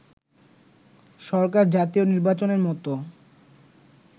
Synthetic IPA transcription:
ʃɔɾk̬aɾd͡ʑat̪ioniɾbat͡ɕoneɾmɔt̪o

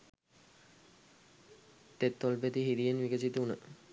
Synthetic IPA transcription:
t̪et̪ːolpet̪iɦid̪ijenʋikəsit̪unə

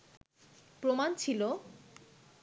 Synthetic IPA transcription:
pɾomant͡ɕʰilo

